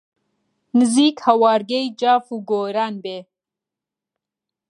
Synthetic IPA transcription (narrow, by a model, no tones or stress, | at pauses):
nɨziːkhɐwaːɾɡejd͡ʒaːfuɡoːɾanbe